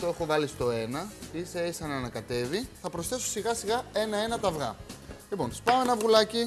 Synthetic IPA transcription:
t̪oe̞xo̞vɐlist̪o̞e̞nɐiseesɐnɐnɐkɐt̪e̞viθɐpɾo̞sθe̞sosiɣɐsiɣɐe̞nɐe̞nɐt̪ɐvɣɐ̰lipo̞nspɐoenɐvɣulɐci

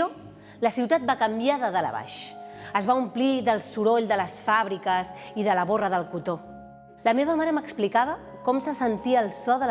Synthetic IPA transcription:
o | ləsiwt̪at̪̚bakəmbiaðəðələ̰βa̰ʃəzβaumpliðəlˠsuɾoʎd̪ələsfaβɾikəziðələβorəðəlˠkut̪o | ləmeβ̞əmaɾəməksplikaβə | kɔmsəsənt̪iəːlˠsɔðə

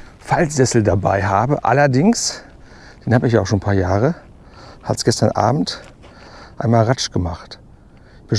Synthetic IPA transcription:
falz̥ɛsl̩daba̰ɪɦaːbəʔa̰lɐdɪŋs | d̥eːnhaːbəɪçjaːaʊxʃoːnpʰaːɐjaːʁ̞ə | ha̰tsɡ̥ɛstɐnʔa̰ːbm̩t | ʔaɪnmaːlʁat͡ʃɡ̥əmaχt | ɪçb̥ɪn

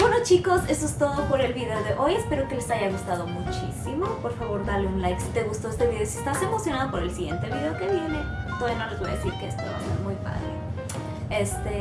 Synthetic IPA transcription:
bwe̞no̞t͡ʃiko̞sesoest̪o̞ðo̞po̞ɾe̞lβiðe̞o̞ðe̞ʔo̞je̞spe̞ɾo̞ke̞lesaʝaɣ̞ust̪aðo̞mut͡ʃisimo̞po̞ɾfaβo̞ɾðale̞unlajksit̪e̞ɣust̪o̞e̞st̪eβiðe̞osiest̪ase̞mo̞sjo̞naðo̞poɾe̞lsiɣje̞nt̪e̞βiðe̞oke̞βje̞ne̞t̪oðjanolezejeesiɾkeest̪oβa̰seɾmujpa̰ðɾḛ | est̪e

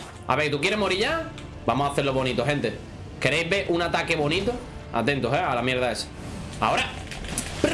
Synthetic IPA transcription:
a̰βe̞kt̪uk̬jeɾemo̞ɾiʎa | bamosaθeloβo̞nit̪oɦẽ̞nt̪e | ke̞ɾejzβe̞ɾʔunat̪ake̞βo̞nĩt̪o | a̰t̪ẽ̞nt̪oɦealamje̞ɾðae̞sḁ | a̰o̞ɾa

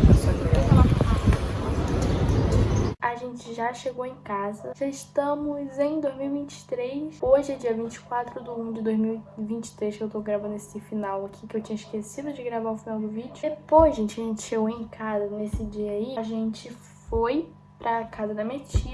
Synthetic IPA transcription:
esɔkveɐkɛlapapasɐaã | aʒẽnt͡ʃɪʒaʃeɡowẽj̃kazɐʒaɪʃt̪ɐ̃mʊzẽj̃d̪ojzmiwivĩnt͡ʃɪ̥t̪ɾejsoʒɪd͡ʒiɐvĩnt͡ʃɪ̥kwat̪ɾʊd̪ʊũd͡ʒɪd̪ojzmiwivĩnt͡ʃɪ̥t̪ɾejʃkewt̪oɡɾavɐ̃nd̪ʊesɪd͡ʒifinawakʰikɪewt͡ʃĩɲɐiʃkesid̪ʊd͡ʒɪɡɾavaɾʊfinawd̪ʊvid͡ʒʊd̪epojzʒẽnt͡ʃɪɐʒẽnt͡ʃɪ̥ʃeɡowẽj̃kʰazɐnesɪd͡ʒiɐiʒẽnt͡ʃɪ | foj | pɾʔɐkazɐd̪ɐmĩɐt͡ʃiɐ

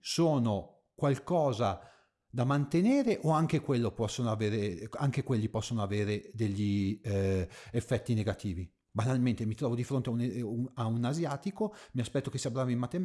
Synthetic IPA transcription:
soːno | kwalkɔːza | d̪amant̪eneːɾeʔoaŋk̟ekwelːopɔsːonoaveːɾeaŋkekwelːipɔsːonoaveːɾed̪eʎːi | efːɛt̪ːineɡat̪iːvi | banalment̪emit̪ɾɔːvod̪ifɾont̪eauneaunazjaːt̪ikomiaspɛt̪ːokesːiːabɾaːvimat̪ːem

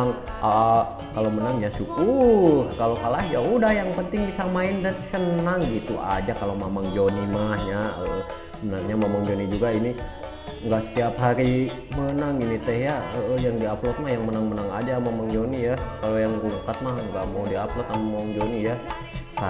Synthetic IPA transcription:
ŋ | a | kalomənaŋjasukukalokalahd͡ʒaudahjaŋpənt̪ɪŋdisamaɪndansənaŋɡit̪uʔa̰d͡ʒakalomamaŋd͡ʒonimahɲaəʔə | mənaŋɲamamaŋd͡ʒonid͡ʒuɡaini | ŋɡaʔsə̥t̪iapɦaɾi | mənaŋinit̪ɛhjaəʔəhjaŋdiaplɔt̪̚mahjaŋmənaŋmənaŋa̰d͡ʒamamaŋd͡ʒonijakalojaŋɡuŋkat̪̚mahŋɡaʔmowdiaplɔt̪amamaŋd͡ʒonija | sa

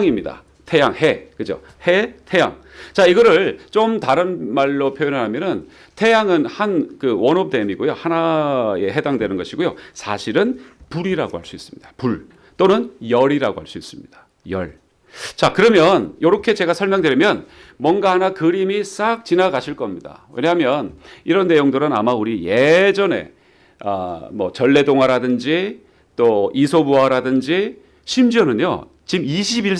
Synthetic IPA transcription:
ŋimɲida̰ | tʰe̞jaŋɦekɯd͡ʑo̰ | hetʰe̞ja̰ŋt͡ɕaiɡʌɾɯɭt͡ɕomtaɾɯnmaɭːopʰjojonɯɭɾɦamjʌnɯn | tʰe̞jaŋɯnhankɯwʌnʌp̚t͈emiɡojohanaje̞ɦe̞daŋdwe̞nɯnɡʌɕʰiɡojosʰaɕʰiɾɯnpuɾiɾa̰ɡo̰ha̰ɭs͈uis͈ɯ̥mɲid̥apuɭ | t͈onɯnjʌɾiɾaɡoha̰ɭs͈uis͈ɯmɲid̥ḁ | jʌ̰ɭ | t͡ɕakɯɾʌmjʌnjoɾʌkʰe̞t͡ɕe̞ɡasʰʌɭmjʌŋdwe̞ɾimjʌnmwʌnɡahanakɯɾimis͈ak̚t͡ɕinaɡaɕʰiɭk͈ʌmɲida̰we̞̰ɲaɦamjʌniɾʌnːe̞joŋdɯɾɯna̰mauɾijed͡ʑʌne̞̰ | ʌ̰mʌ̰t͡ɕʌɭːe̞doŋaɾadɯnd͡ʑi | t͈oisʰobuaɾadɯnd͡ʑi | ɕʰimd͡ʑiʌnɯɲo̰ | t͡ɕimiɕʰibiɭ

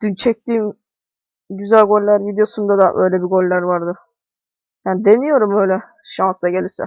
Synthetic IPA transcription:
d̪̥ynt͡ʃʰɛc̚t̪iːm | ɟyzælʲɡo̞lʲːæɾvid̪ejo̞sund̪ad̪aʔø̞̰jlʲɛbiɡo̞lʲːæɾvaɾd̪ɯ | jaːnid̪enijo̞ɾumø̞jlʲɛ | ʃansaɟe̞lʲiɾsɛ̰

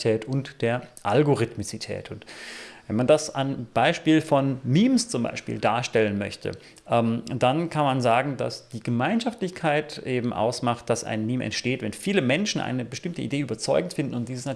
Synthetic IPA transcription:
tʰɛːtʊntd̥eːɐʔalɡoʁɪtmit͡sitʰɛ̰ːtʰʊntvɛnmandasanb̥aɪʃpiːlfɔnmiːmst͡sʊmba̰ɪʃpḭːldaːɐʃtɛlənmœçtʰə̰ | ʔɛːmdankʰanmanzaːɡŋ̩da̰sd̥iːɡəmaɪnʃaftlɪçkʰaɪtʔeːbm̩ʔa̰ʊsmaχt̚d̥asa̰ɪnmiːmʔɛ̰ntʃteːtvɛnfiːləmɛnʃn̩ʔa̰ɪnəbəʃtɪmtəʔḭdeːʔyːbɐt͡sɔʏɡŋ̩tfɪndn̩ʊntd̥iːzəsna

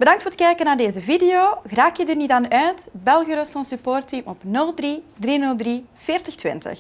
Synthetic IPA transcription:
b̥ədɑŋktfʊːɾətkɛjkənaːrdeːzəvidejoːɣraːkjədərnitaːnœːtbɛlˠɣəɾəsɔnsypoːrtimɔpnɵlˠdridrinɵlˠdri | v̥ɪːrtəxtʋɪ̰ntə̰x

